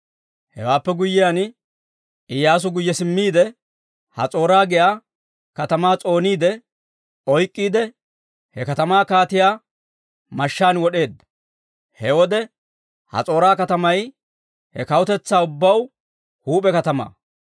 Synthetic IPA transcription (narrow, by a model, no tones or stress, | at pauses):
hɛ̰waːpːɛɡʊjːɪjan | ɪjːaːs̬ʊɡʊjːɛsɪmːiːd̪ɛ | hɐ̰t͡sʼo̞ːɾaːɡɪjaː | kɐt̪ɐmaːt͡sʼo̞ːniːd̪ɛ | ɔjkʼːiːd̪ɛ | hɛkɐt̪ɐmaːkaːt̪ɪjaː | mɐʃːaːnwɔɗe̞ːd̪ːɐ | hɛwɔd̪ɛ | hɐ̰t͡sʼo̞ːɾaːkɐt̪ɐmɐj | hɛkɐwʊt̪ɛt͡sːaːʊbːɐw | huːpʼɛkɐt̪ɐma̰ː